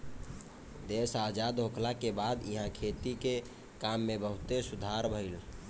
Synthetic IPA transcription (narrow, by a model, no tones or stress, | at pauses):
d̪esad͡ʒad̪ɦokʰlakebad̪ḭɦãkʰet̪ike | kamːebəɦʊt̪esud̪ʱaɾbʱəɪl